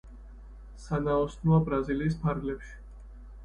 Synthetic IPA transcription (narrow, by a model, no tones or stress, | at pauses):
sanaɔsnuabɾaziliːs̬pʰaɾɡlɛpʃi̥